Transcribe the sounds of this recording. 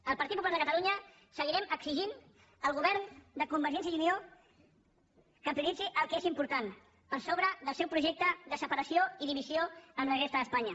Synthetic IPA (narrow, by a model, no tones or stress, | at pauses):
əlˠpəɾt̪it̪pupulalðəkət̪əluɲə | səɣiɾɛməksiʒin | əlˠɣuβɛɾnd̪əkumbəɾʒɛnsjəiunio | kəmpɾilid͡ziʔəlˠkezimpuɾt̪an | pəɾsoβɾəðəlˠsɛwpɾuʒek̚t̪əðəsəpəɾəsijoiðiβizioənləɣest̪əðəspaɲə